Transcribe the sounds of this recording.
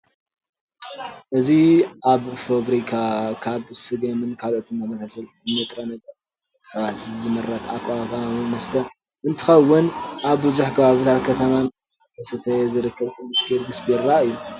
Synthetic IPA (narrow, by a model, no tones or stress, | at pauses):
ʔɨziʔaβfoβɾikʰakʰaβsɨɡɐmɨnkʰalʔo̞t̪ʰɨnamɐsasɐl | ɨnːɐt̪ʼɾɐnɐɡɐɾ | ɨt̪ʰʼɨ̥ħβasizɨmɨrːɐt̪ʰakʼwakaimɐst̪ʰɐ | ʔɨnt̪ʰɨ̥xɐwːʊnʔaβbɨzuħkʰɐβaβɨt̪ʰat̪kʰɐt̪ʰɐman | t̪ʰɐsɐt̪ʰɐzɨɾɨkʰːɐβkʰʼɨldɨspʰiɾɡɨsbeɾːaɨjːu